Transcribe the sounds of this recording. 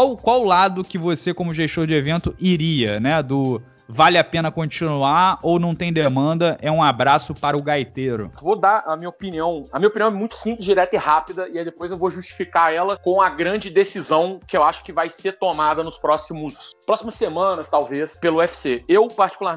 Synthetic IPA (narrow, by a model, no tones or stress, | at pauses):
kawkwawlad̪ʊkɪvosekõmʊʒeʃt̪oɾd͡ʒɪevẽnt̪ʊiɾiɐnɛd̪ʊ | valɪapẽnɐkõt͡ʃinuaownɐ̃w̃t̪ẽj̃d̪emɐ̃nd̪ɐʔɛũabɾasʊpaɾɐʊɡajt̪eɾʊ̰vod̪aɾɐmĩɲɐopiniɐ̃w̃ɐmĩɲɐopiniɐ̃w̃ɛmũj̃t̪ʊ̥sĩplɪzd͡ʒiɾɛt̪ɐɪhapid̪ɐiajd̪epojzewvoʒuʃt͡ʃi̥fikaɾɛlɐkõw̃ɐɡɾɐ̃d͡ʒɪd̪esizɐ̃w̃kɪewaʃʊ̥kɪvajseɾt̪omad̪ɐnʊspɾɔsimʊspɾɔsimɐsːemɐ̃nɐst̪awvespelʊɛfi̥seewpaɾt͡ʃi̥kulaɾ